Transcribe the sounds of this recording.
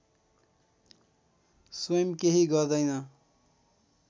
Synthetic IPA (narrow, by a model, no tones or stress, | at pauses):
sʌjʌmkeɦiɡʌrd̪ʌjnʌ